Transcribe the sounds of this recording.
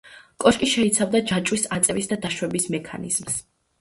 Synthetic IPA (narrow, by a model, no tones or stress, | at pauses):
kʼɔʃkʼiʃɛit̪sʰavd̪ad͡ʒat͡ʃʼwisat̪sʼɛvisd̪ad̪aʃwɛbismɛkʰa̰nḭz̥ms